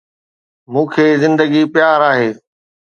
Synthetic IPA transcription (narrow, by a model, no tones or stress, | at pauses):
mũːkʰeːzɪ̃nd̪əɡipjaːɾaːɦeː